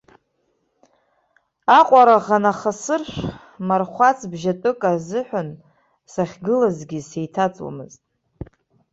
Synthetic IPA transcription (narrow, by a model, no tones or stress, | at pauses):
aqʷʼaɾaʁanaχasɨrʃʷ | marχʷat͡sʰbʒatʼɨkʼazɨħʷᶣan | saχʲɡɨlazɡʲisejtʰat͡sʼwa̰mɨ̰ztʼ